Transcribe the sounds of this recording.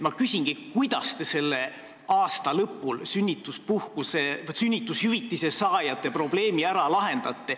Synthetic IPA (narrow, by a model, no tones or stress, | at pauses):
mɑkysʲiŋɡ̥ikujd̪̥ɑst̪e̞se̞lːe̞ | ɑːst̪ɑlɤpːˑulsynʲːit̪ːˑuspuhkusesynʲːit̪ːˑushyvit̪ːise̞sɑːjɑt̪ːˑepro̞ble̞ːmiæɾɑlɑɦe̞nd̪̥ɑt̪ˑːe̞